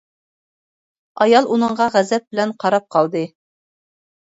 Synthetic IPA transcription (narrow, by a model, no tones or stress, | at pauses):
ɑjɑlˠunɤɴʁɑʁæzɛp̚bɪlɛnqʰɑɾɑp̚qʰɑlˠd̪ɨ